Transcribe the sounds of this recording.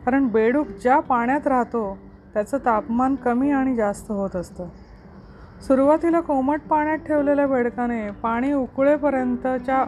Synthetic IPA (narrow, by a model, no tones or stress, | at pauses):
kaɾəɳbeɽuːkd͡ʑjapaɳjat̪ɾaɦt̪o | t̪jat͡sət̪apmankəmiːaɽ̃id͡zast̪əɦot̪əst̪ə | suɾuʋat̪ilakoməʈ̚paɳ̃jat̪̚ʈʰeʋleljabeɽkanepaɽ̃iːukɭepəɾjənt̪ət͡ɕja